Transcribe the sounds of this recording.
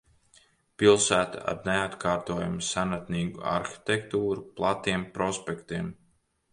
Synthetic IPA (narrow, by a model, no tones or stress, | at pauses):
pilˠsæːt̪a̰a̰ɾneat̪kʰaːɾt̪oɔːja̰musanat̪niːɡua̰ɾxi̥t̪ekt̪uːɾuplˠat̪iɛmpɾɔspʲekt̪iɛm